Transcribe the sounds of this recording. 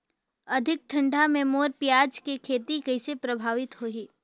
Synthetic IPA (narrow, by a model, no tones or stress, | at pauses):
ɐd̪ʱɪk̚ʈʰɐ̃ɳɖamẽmoːɾpjaːd͡ʒkekʰeːt̪ikɐɪsepɾɐbʱaːʋɪt̪ɦoɦiː